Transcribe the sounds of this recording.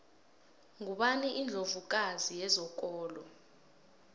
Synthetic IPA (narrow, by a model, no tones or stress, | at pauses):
ŋʱuɓaniʔind͡ɮʱovuk̬ʼazijɛzɔk̬ʼɔːlɔ